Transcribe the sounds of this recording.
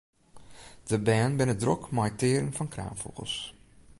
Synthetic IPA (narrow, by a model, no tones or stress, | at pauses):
d̥əbɛːnbɪnədrɔkmajtɪːɾənfɔnkra̰ːnfṵɣə̰lˠs